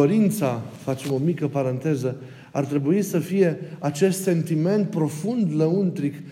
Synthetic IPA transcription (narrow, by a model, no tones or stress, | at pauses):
oɾint̪safat͡ʃe̞mo̞mikəpaɾant̪e̞zə | art̪ɾe̞buisəfije̞at͡ʃe̞st̪se̞nt̪ime̞nt̪̚pɾo̞fund̪ləunt̪ɾik